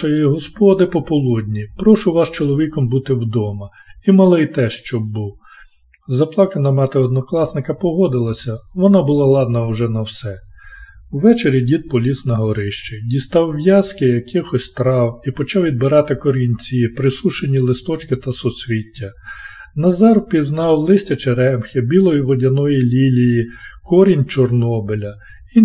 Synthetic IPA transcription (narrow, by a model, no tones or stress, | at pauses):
ɐjjiɦɔspɔd̪ɪpɔpɔlˠudʲnʲipɾɔʃʊʋɑst͡ʃɔlˠɔʋʲikɔmbut̪ɪwd̪ɔmɐ | imɐlˠɪjt̪ɛʃt͡ʃɔbːuw | zɐplˠɑkɐnɐmɑt̪ɪɔd̪nɔklˠɑsnɪkɐpɔɦɔd̪ɪlˠɐsʲɐʋɔnɑbʊlˠɑlˠɑd̪nɐʊʒɛnɐwsɛ | wʋɛt͡ʃeɾʲidʲid̪̚pɔlʲisnɐɦɔɾɪʃt͡ʃeɪdʲist̪ɑwːjɑskɪjɐkɪxɔsʲt̪ɾɑwipɔt͡ʃɑwʋʲid̪̚bɪɾɑt̪ɪkɔɾʲinʲt͡sʲipɾɪsuʃenʲilˠɪst̪ɔt͡ʃkɪt̪ɐsɔsʲʋʲitʲːɐnɐzɑrpʲiznɑwlˠɪsʲtʲɐt͡ʃeɾɛmxʲɪbʲilˠɔjiʋɔdʲɐnɔjilʲilʲijikɔɾʲinʲt͡ʃɔrnɔbɪlʲɐ | i